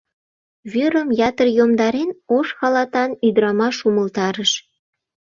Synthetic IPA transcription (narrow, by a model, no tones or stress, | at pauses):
βyɾəmjɑt̪ərjomd̪ɑɾenoʃxɑlɑt̪ɑnyd̪əɾɑmɑʃuməlt̪ɑɾəʃ